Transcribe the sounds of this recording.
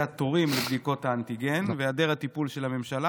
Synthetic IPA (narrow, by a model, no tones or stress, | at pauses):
ato̞ʁimlebdiko̞taːnt̪iɡe̞nveadeʁhat̪ipulʃe̞lame̞mʃala